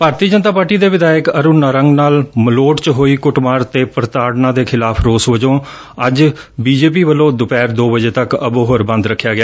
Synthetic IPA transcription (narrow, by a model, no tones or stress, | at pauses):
paːɾt̪iːəd͡ʒənt̪aːpaːɾʈiːd̪eːʋɪd̪aːjəkəɾʊːnːaɾəŋɡnaːlməloːʈt͡ʃɦoːiːkʊʈmaːɾt̪eːpəɾt̪aːɽnãːd̪eːkʰɪlaːpʰɾoːsʋəd͡ʒõː | əd͡ʒ | biːd͡ʒeːp̬iːʋəlõːd̪ʊpɛːɾd̪oːbəd͡ʒeːt̪əkə̰boːɦəɾbə̃nd̪ɾəkʰːjaːɡɪjaː